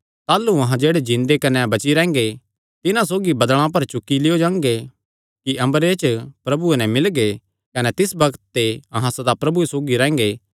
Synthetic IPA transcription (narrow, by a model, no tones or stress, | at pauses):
t̪aːluɐɦãd͡ʒeːɽed͡ʒɪ̃nd̪ekɐnɛbɐt͡ʃiɾɛ̃ːŋ̆ɡe | t̪ɪnãsoːɡibɐd̪ɭ̃ãp̬ɐɾt͡ʃʊkːilɪjod͡ʒãːŋɡe | kiʔɐ̃mbəɾet͡ʃpɾɐbuenɛ̃mɪlɡe | kɐnɛt̪ɪsbɐɡət̪ːeɐɦãsɐd̪apɾɐbuesoːɡiɾɛ̃ːŋ̆ɡeː